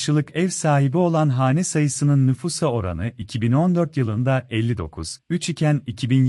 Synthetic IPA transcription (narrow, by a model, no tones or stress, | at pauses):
ʃɯlˠɯkɛvsaːɦibio̞lˠanɦaːnɛsajɯsɯnɯnːyfusao̞ɾa̰nɯicʰibino̞nd̪øɾt̪jɯlˠɯnd̪aɛlʲːid̪o̞̰kʰṵz̥yt͡ʃicʰænicʰibin